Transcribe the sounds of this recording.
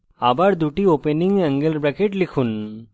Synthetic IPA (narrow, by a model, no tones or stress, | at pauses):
abaɽd̪uʈiopeniŋɡəŋɡəlbɾakeʈlikʰun